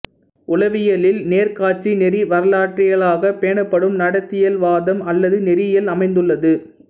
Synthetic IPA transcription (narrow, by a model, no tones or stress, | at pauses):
ʊlɐʋɪjɐlɪlneːɾkaːʈ̚t͡ʃinɛɾiʋɐɾɐlaːʈrɪɣɐɭaːɣɐpeːɳɐpːɐɽɯmnɐɽɐt̪ːɪjɐlʋaːðɐmɐlːɐðɯnɛɾɪjɐlɐmɐɪnd̪ɯɭːɐðɯ